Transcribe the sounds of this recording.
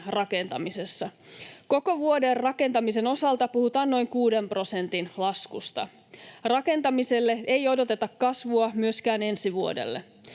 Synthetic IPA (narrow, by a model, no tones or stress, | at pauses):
rɑke̞nt̪ɑ̰mise̞sːɑko̞ko̞ʋuoderrɑke̞nt̪ɑmise̞no̞sɑlt̪ɑpuhut̪ɑːnno̞jŋkuːdempro̞se̞nt̪inlɑskust̪ɑ̰ | rɑke̞nt̪ɑmiselːeejo̞do̞t̪e̞t̪ɑkkɑsʋuɑmyøskæːne̞nsiʋuo̰dḛlːe